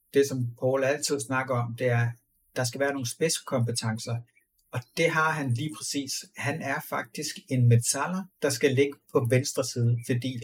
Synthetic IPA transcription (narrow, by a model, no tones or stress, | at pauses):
d̥e̝sɒ̽mpʰɒːlæl̰t͡sʰið̞̰ˠsnɑ̈ɡ̥ɐɒ̽md̥e̝æɐ | d̥ɑ̈s̬ɡ̥æʋæːɐno̝ːn̩sb̥esə̥kʰɒ̽mpət͡sʰɑ̈ŋsɐ | ɒ̽d̥e̝ɦɑ̈ɦænliːpʰʁɛsḭːshænæɐfɑ̈ɡ̥̚d̥isɡ̥e̝nmet͡sʰæl̰ɐd̥ɑ̈sɡ̥æle̝ɡ̥əpʰɒ̽ʋensd̥ʁɐsiːð̞ˠt͡sʰed̥ḭː